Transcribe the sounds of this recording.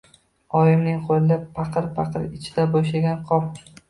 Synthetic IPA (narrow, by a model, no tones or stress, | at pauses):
ɒjɪmnɪŋqʰolɪlɪpʰɑqʰɨɾpʰɑqɨɾɪt͡ʃʰɪd̪aboʃ̬laɡʲanqʰɒp̚